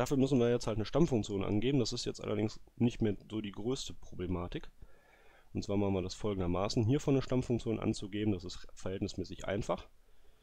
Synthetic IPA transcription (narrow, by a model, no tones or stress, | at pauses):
d̥aːfyːɐmʏs̬n̩viːɐjɛt͡shaltnəʃtamfʊŋk̚t͡sjoːnʔa̰nɡeːbmn̩dasɪstjɛt͡stʔa̰lʔɐ̰dɪŋsnɪçtmeːɐzoːdiːɡʁøːstəpʁ̥oblemaːtɪk | ʔʊn̩tt͡sv̥aːɐmaχn̩viɐdasfɔlɡŋ̩dɐmaːsn̩ɦiːɐfɔnːəʃtamfʊŋk̚t͡sjoːnʔa̰nt͡suɡeːbm̩dasɪstfɛɐhɛltnɪsmɛːsɪçʔa̰ɪnfaχ